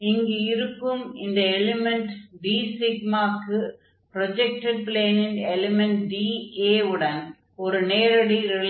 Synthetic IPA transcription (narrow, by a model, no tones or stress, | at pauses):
ɪŋɡeɪɾɯkːɯmɪnd̪ɐɛlɪmɛɳʈɖiːsɪɡmaːkɯ | pɾɔd͡ʒɛk̚ʈɛɖ̚pɪleːnɪnɛlɪmɛɳʈɖiːeːɯɽɐn | ɔɾɯneːɾɐɽiɾɪɭ